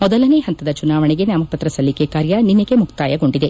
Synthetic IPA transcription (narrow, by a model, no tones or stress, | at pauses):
mɔd̪ɐlɐneːɦɐnt̪ɐd̪ɐt͡ʃunaːʋɐɳɛɡe̞njaːmɐpɐt̪ɾɐsɐlːikekaːɾjɐninːɐɡemukt̪aːjɐɡo̞ɳɖid̪e̞